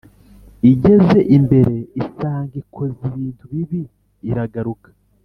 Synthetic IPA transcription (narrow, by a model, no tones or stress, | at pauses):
iɟe̞ze̞ʔimbe̞ɾe̞isaːŋɡikʰo̞ziβiːntʰuβiβiː | ɾaɡaɾukḁ